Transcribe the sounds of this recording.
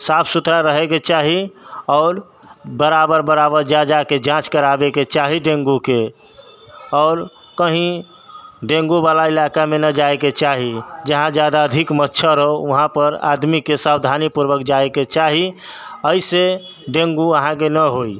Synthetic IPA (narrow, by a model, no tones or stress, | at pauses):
sapʰsut̪ɾaɾəɦeket͡ʃaɦiɔːɾ | bəɾabəɾbəɾabəɾd͡ʒad͡ʒaked͡ʒãt͡ʃkəɾabeket͡ʃaɦiɖẽŋɡuke | ɔːɾ | kəɦĩ | ɖẽŋɡubalailakamenəd͡ʒaeket͡ʃaɦid͡ʒəɦãd͡ʒjad̪aəd̪ʱikmətːʃʰəɾəɦoəɦãpəɾa̰d̪mikesabd̪ʱanipuɾʋəkd͡ʒaeket͡ʃaɦiəise | ɖẽŋɡuəɦãkenəɦoi